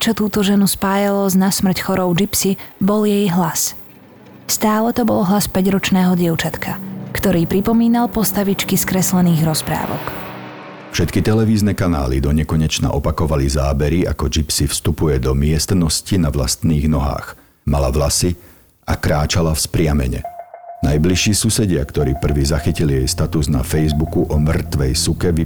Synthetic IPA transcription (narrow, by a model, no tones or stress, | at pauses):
t͡ʃɔt̪uːt̪ɔʒɛnuspaːjalɔznasmr̩cxɔɾɔʊd͡ʒipsibɔljɛjɦlas | st̪aːlɛt̪ɔbɔlɦlaspɛɟɾɔt͡ʃnɛːɦɔɟɪɛʊt͡ʃat̪kʰakt̪ɔɾiːpɾipɔmiːnalˠpɔst̪aʋit͡ʃkiskɾɛslɛniːɣɾɔspɾa̰ːʋɔ̰k | fʃɛt̪kit̪ɛlɛʋiːznɛkana̰ːlḭd̪ɔɲɛkɔɲɛt͡ʃna̰ʔɔpakɔʋalizaːbɛɾia̰kɔd͡ʒipsifst̪upujɛd̪ɔmɪɛst̪nɔscinaʋla̰st̪niːɣnɔɦa̰ːx | malaʋlasi | akɾaːt͡ʃalafspɾɪamɛ̰ɲɛ̰najbliʃːiːsusɛɟɪakt̪ɔɾiːpr̩ʋiːzaxicilijɛjst̪at̪uzna̰fɛjzbukuʔɔmr̩t̪ʋɛjsukɛʋi